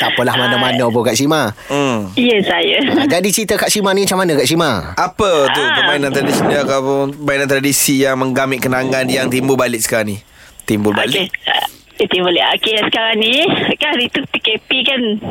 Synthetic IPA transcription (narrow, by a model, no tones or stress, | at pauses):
t̪apəlahmanamanəp̬ukaʔsima | iəsajəd͡ʒadit͡ʃit̪əkaʔsimanimat͡ʃamanəkaʔʃimaʔapət̪ut̪əbainant̪ɾadisiniat̪awpʊnbajinant̪ɾadisijaŋməŋɡamɪʔ̚kənaŋanjaŋt̪imbʊlbalɪʔ̚sə̥kaɾaŋni | t̪imbʊlbale | it̪ibolia̰kesə̥kaɾaŋnikahdit̪ut̪ikepikan